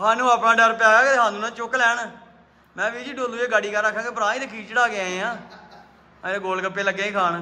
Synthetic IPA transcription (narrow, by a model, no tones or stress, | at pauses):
ɦaːnũːaːpɽãːɖəɾpaːɡaːɡeeɦãːnũːnãːt͡ʃʊklɛːɳ | mɛ̃ːʋiːd͡ʒiːɖoːluːeːɡaːɽiːkəɾəkʰːãːkeːpəɾãːĩt̪eːkʰiːt͡ʃɽaːɡeãːẽãː | eɡoːlkəpːeːləɡːẽːkʰaːɳ